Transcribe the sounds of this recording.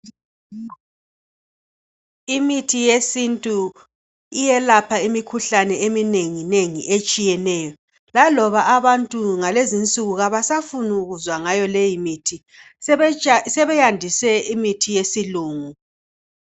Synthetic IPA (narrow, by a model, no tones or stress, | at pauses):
imitʰijesintʼu | ijɛlapʰaimikʰuɬanɛemineŋineŋḭʔet͡ʃʼijɛnɛːjɔ | lalɔβaʔaβantʼuŋalezint͡sʼuɣuɣaβasafunuɣuzwaŋajɔlejimitʰi | sɛβɛjandʱisɛimitʰijesiluːŋu